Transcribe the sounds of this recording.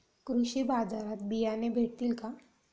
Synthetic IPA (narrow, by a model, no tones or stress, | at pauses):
kɾuɕibad͡zaɾat̪̚bijanebʱeɽt̪iːlka